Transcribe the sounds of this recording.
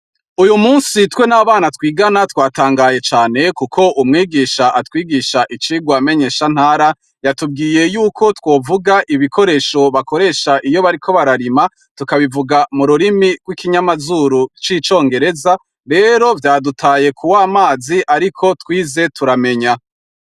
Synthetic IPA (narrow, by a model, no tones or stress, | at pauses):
ujumuːnsitwe̞naβaːnatwiːɡanatwaːtaːŋɡaːje̞t͡ʃaːne̞kukʰo̞umŋiːɡiːʃaʔatwiːɡiːʃaʔit͡ʃiːɡwame̞ɲe̞ːʃan̥haːɾa | jatub̚ɡiːje̞juːkʰo̞two̞ːvuɡaʔiβikʰo̞ɾe̞ːʃo̞βako̞ɾe̞ːʃaʔijo̞βaɾikʰo̞βaɾaɾima | tukaβivuɡamuɾuɾimiɡ̥wikiɲamazuːɾut͡ʃiːt͡ʃo̞ːŋɡe̞ɾe̞za | ɾe̞ːɾo̞vjaːdutʰaːje̞kʰuwaːmaːziʔaɾikʰo̞twiːze̞tuɾame̞ɲa